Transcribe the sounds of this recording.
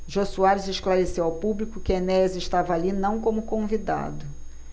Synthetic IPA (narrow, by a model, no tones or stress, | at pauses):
ʒosuaɾɪzeʃklaɾesewawpublikʊkɪenɛzɪʃt̪avɐalinɐ̃w̃kõmʊkõvid̪a̰d̪ʊ